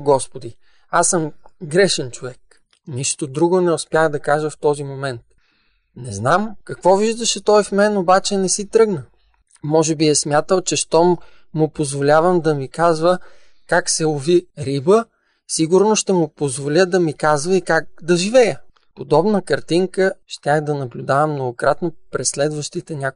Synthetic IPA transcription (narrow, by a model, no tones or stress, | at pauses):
ɡɔspod̪i | asəmɡɾɛʃɛnt͡ʃovɛk | niʃt̪od̪ɾuɡonɛʊspjaxd̪ɐkaʒəft̪ɔzimomɛnt̪̚ | nɛznamkɐkvɔviʒd̪ɐʃɛt̪ɔjfmɛnobat͡ʃɛnɛsit̪ɾɤɡnə | mɔʒɛbiɛsmʲjat̪əlˠt͡ʃɛʃt̪ɔmʊpozvolʲavəmd̪ɐmikazvə | kaksɛʊviɾibə | siɡʊɾnoʃt̪ɛmʊpozvolʲəd̪ɐmikazvəikak̚d̪ɐʒivɛjə | pod̪ɔbnəkɐɾt̪iŋkəʃt̪ʲaxd̪ɐnɐblʲʊd̪avəmnoɡokɾat̪nopɾɛslɛd̪vəʃt̪it̪ɛnʲa